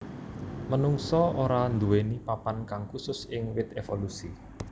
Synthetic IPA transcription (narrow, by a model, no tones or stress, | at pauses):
mənuŋsɔoɾand̪uwenipapankaŋkusʊsɪŋwɪt̪̚efolusi